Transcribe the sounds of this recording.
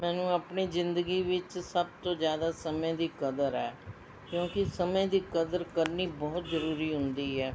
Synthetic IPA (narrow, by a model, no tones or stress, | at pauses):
mɛːnũːaːpniːzɪ̃nd̪əɡiːʋɪt͡ʃsəb̚t̪õːzjaːd̪aːsəmẽd̪iːkəd̪əɾɛː | kjõːkɪsəmẽd̪iːkəd̪əɾkəɾniːbɔːt̪zəɾuːɾiːɦʊ̃nd̪iːɦɛː